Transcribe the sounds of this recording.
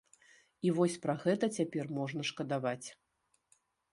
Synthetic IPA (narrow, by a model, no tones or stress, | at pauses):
ivɔsʲpɾaɣɛt̪ɐt͡sʲapʲɛrmɔʐn̪ɐʂkɐd̪avat͡sʲ